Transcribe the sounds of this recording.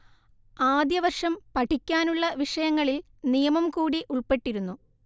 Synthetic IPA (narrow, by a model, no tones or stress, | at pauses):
aːd̪jɐʋɐrʂɐmpɐʈʰikʲːaːnuɭːɐʋiʂɐjɐŋːɐɭil | nijɐmɐmkuːɽiʔuɭpe̞ʈːiɾunːu